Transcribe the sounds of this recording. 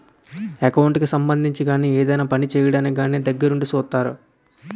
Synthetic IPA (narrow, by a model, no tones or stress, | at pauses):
ekɐwɳʈkisɐmbɐnd̪ʱiɲt͡ʃiɡaːniːeːd̪ɐjnaːpɐnit͡ʃɛːjɐɽɐniɡaːniːd̪ɐɡːɐɾuɳɖut͡ʃuːt̪ːaːɾṵ